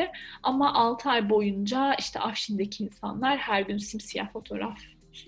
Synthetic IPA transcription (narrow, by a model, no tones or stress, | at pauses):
ɪamaʔalˠt̪ʰɯajbo̞jund͡ʒaiʃt̪ʰɛ̰ʔafʃind̪ecʰiːnsa̰nlˠaɾhæɾɟynsimsija̰fo̞t̪ʰo̞ɾaf